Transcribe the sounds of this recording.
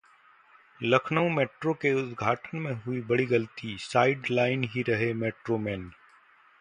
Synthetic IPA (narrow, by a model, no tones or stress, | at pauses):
lɐkʰnəũmeːʈɾokeʊd̪ɡʱaːʈənmẽɦʊibɐɽiɡɐlt̪isaːɪɖlaːɪnɦiɾɐɦemeːʈɾomeːn